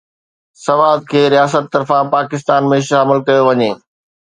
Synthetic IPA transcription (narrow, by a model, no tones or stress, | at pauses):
sɐʋaːd̪̚kʰeːɾijaːsət̪ːɐɾfãpaːkɪs̬t̪aːnmẽʃaɐməlkɐjoʋɐɲeː